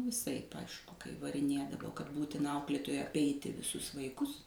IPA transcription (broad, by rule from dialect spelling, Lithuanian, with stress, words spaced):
ʋʲɪˈsɐɪp ˈɐɪʃkʊ kɐɪ ʋɐrʲɪˈnʲeːdɐʋoː kɐt ˈbuːtʲɪnɐ ˈɐʊklʲeːtoːjɛɪ ɐpʲˈɛɪtʲɪ ʋʲɪˈsʊs ʋɐɪˈkʊs